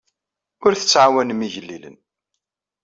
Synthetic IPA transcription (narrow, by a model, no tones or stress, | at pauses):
ʊɾθə̥t͡sːʕawænmiʝəlːilə̰n